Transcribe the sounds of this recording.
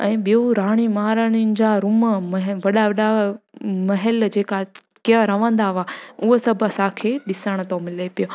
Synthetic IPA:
ɛ̰̃ːɓijoɾaːɽ̃imaːɾəɽ̃inɪ̆d͡ʑaɾʊməmɦʋɐɗaʋɐɗa | mɐɦɛld͡ʑeːka | kiə̃ɾɐʋə̃nd̪aʋaːʊɦosɐbʱɐsãːkʰeːɗɪsəɽ̃ət̪õmɪlepijo

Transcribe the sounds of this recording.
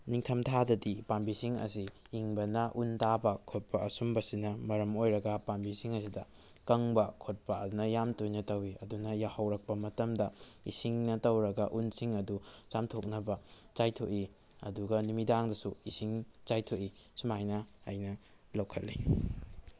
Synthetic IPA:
niŋtʰɐmtʰadɐdipambisiŋɐ̰siː | ŋbɐnɐʔuntabɐkʰot̚pɐɐsumbɐsinɐmɐɾɐmojɾɐɡɐpambisiŋɐsidɐ | kɐŋbɐkʰot̚pɐɐdunɐjamtojnɐtɐwiɐ̰dunɐjahɐwɾɐk̚pɐmɐtɐmdɐḭsiŋnɐtɐwɾɐɡɐʔunsiŋɐdut͡ʃamtʰok̚nɐbɐt͡ʃajtʰoʔi | ɐ̰duɡɐnumidaŋdɐsuisiŋt͡ʃajtʰoʔi | sumajnɐɐjnɐ | lɐwkʰɐlːi

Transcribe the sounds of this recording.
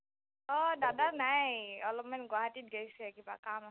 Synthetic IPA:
ɔdadanajɔlɔp̚manɡwaɦatit̚ɡejsɛkibakamas

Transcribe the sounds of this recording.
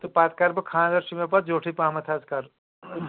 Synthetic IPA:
t̪ɐpaːt̪kaɾpɐkʰãːnd̪ɐɾʃimep̬ɐt̪̚d͡ʒoːʈʰipãːmɐt̪ʰaːzkaɾ

